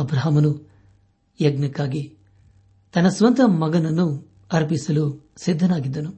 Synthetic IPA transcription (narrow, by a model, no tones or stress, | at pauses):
ɐbɾɐɦɐmɐnu | jɐɡnɐkːaːɡi | t̪ɐnːɐsʋɐnt̪ɐmɐɡɐnɐnːu | ɐɾpisɐlu | sid̪ʱːɐnaːɡid̪ːɐnu